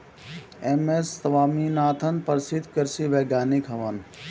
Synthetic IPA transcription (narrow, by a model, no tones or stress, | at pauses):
emesːɐʋaːminaːt̪ʰɐnpɐɾsid̪ʱkəɾsiʋeːɡjaːnikʰɦɐʋɐn